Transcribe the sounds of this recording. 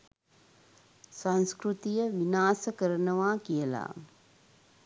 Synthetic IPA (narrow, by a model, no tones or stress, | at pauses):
sanskɾut̪ijəʋinaːsəkəɾənəʋaːkijəla̰ː